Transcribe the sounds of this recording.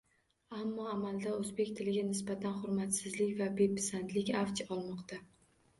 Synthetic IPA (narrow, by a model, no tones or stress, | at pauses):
amːɒamald̪aɵzbe̞kʲt̪ʰɪlɪɡʲanɪsbat̪ʰanχʊɾmat̪sɪzlɪkʲvabe̞pɪ̥sant̪lɪkʲaft͡ʃʰɒlˠmɒqt̪ʰa